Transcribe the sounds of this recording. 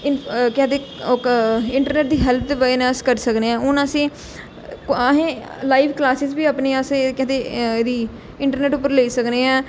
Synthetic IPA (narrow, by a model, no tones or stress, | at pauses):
ɪnkɛːt̪eː | okɪɳʈəɾneːʈ̚d̪iːɦɛːlt̪̚ʰːʋəenəskəɾsəkneːɛ̃ːʊnəsĩː | ɦẽː | laːiːʋklaːsɪzbiːapneːasekɛːt̪eːd̪iː | ɪɳʈəɾneːʈʊp̬ːəɾleiːsəkneːɛ̃ː